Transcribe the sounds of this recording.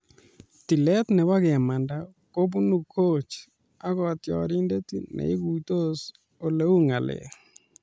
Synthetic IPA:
t̪i˨lɛ˦t̪nɛ˨wa˦ɣɛ˨ma˨nda˨ | ko˦b̬u˦nu˨ko˦˨t͡ʃ | a˦kɔ˦t̪jɔ̰˨ɾi˦nde˦t̪i˦nɛ̰˨ɪ˦ɡu˨t̪o˦s | o˨le˦u˦ŋa˨lɛ̰˨

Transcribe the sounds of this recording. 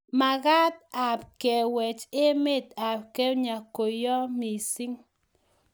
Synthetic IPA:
ma˨ɣa˦t̪̚a˨p̚kɛ˨wɛ˨t͡ʃe˦me˦t̪a˨p̚kɛ˦ɲa˨ko˨jɔ˦mi˨si˦ŋ

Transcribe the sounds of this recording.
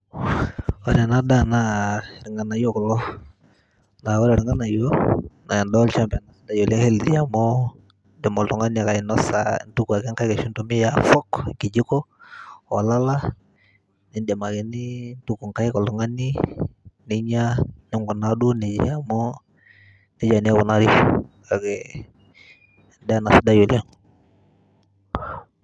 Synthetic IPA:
wa˦ɾa˨na˦da˦na˦˨ɾi˨ŋa˨na˨jo˦kɔ˨lɔ˦ | na˨wa˦ɾa˨ɾi˨ŋa˦na˨jo˦na˨ja˨ndɔ˦lt͡ʃa˦mpa˨na˨sda˦jɔ˨li˦he˦ldi˨ja˨mɔ˦ | dɛ˨mɔ˨lɔ˨ŋa˦nia˨ka˨i˨nɔ˦sa̰˨ntu˦ku˨a˨kɛ˦ŋka˦jka˨ʃu˦ntu˦mi˦ja˨fɔ˦kki˨d͡ʒi˦kɔ˦wa˨la˦la˦ | nɛ˨ndɛ˨ma˨kɛ˨ni˦ntu˦ku˨ŋka˦i˦kɔ˨lɔ˨ŋa˦ni˦ | ni˦ɲanɛ˦ŋɡɔ˨nadu˦nɛ˨d͡ʒ̰ja˨mɔ˦ | nɛ˦d͡ʒa˨ni˦a˦βɔ˨na˦ɾi˦kaɡɛ | ndɛ˦a˦na˨sda˦ju˨lɛ˦ŋ

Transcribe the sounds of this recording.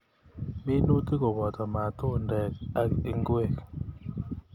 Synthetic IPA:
mi˦nu˦ti˦kɔ˨bɔ˨t̪ɔ˨ma˨to˦ndɛ˨ka˦i˦˨ŋɡwe˦˨k

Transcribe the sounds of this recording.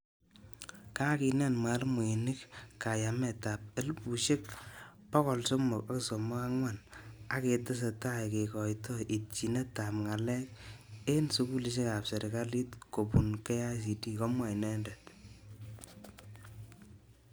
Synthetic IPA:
ka˦ki˨nɛ˦˨nma˨lmo˨i˨nɪ˦kka˨ja˨mɛ˨ta˨p̚e˦lpu˨ʃe˦k̚ | pɔ˦kɔ˨lso˦mʊ˨ka˦kso˨mʊ˦ka˦ŋwa˦˨na˦ke˨tɪ˦s̬e˨ta˦˨ke˨kɔ˨jtɔ˦ʔi˨t̚t͡ʃi˨ne˦ta˨pŋa˨lɛ˦k̚e˦nsu˦ku˦li˨˦ʃ̬e˦ka˨pse˨ɾʔi˨ka˦li˦tko˨pu˨nkɛ˦ja˦s̬i˨di˦ko˦mwa˨i˨nɛ˦ndɛ˨t

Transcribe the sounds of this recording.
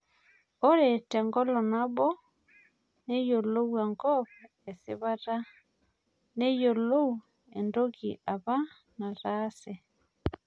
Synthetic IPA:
o˦ɾɛ˨tɛ˨ŋɡɔ˦lɔ˨na˦βɔ˦ | ne˦jo˨lo˦wɛ˨ŋɡɔ˦β | e˨si˨˦βa˦ɾa˦ | ne˦jo˨lo˦u˨ | e˨ndo˦ɣi˨ʔa˨βa˦ | na˨ɾa˦sɛ˨

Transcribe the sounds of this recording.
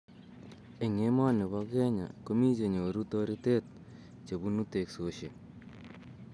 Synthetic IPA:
e˨ŋe˦ma˦ne˨βa˦kɛ˦ɲa̰˨ko˦mi˦t͡ʃe˨ɲo˨ɾu˦to˧ɾi˦te˦t̪̚ | t͡ʃe˨bu˦nu˦te˨kso˦ʃe˨

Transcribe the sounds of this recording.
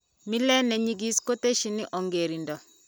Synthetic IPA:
mi˦lɛ˦nɛ˨ɲi˦ɡi˦sko˦te˦ʃi˨˦nɪ˦ʔɔ˨ŋɡe˨ɾi˨ndɔ˨

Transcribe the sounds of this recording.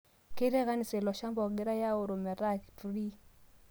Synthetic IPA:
ke˦ɾe˦ɣa˦ni˨se˨lɔ˨ʃa˦mbɔ˨ɡɪ˦ɾa˦ja˦o˨ɾo˨mɛ˨ɾa˦˨ki˨tu˨ɾi˦

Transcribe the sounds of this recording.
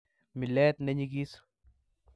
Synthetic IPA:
mɪ˨lɛ˦t̪nɛ˦ɲiɡi˦s

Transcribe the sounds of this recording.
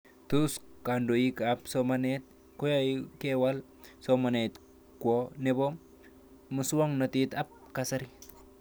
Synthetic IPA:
tu˦ska˨ndo˨ji˦kapsomanet̪̚ | ko˦jajkewa˦l | soma˨ne˨t̪ | kwo˦ne˦bo˦ | muswa˦ŋno˨t̪it̪a˦p̚kasa˦ɾi

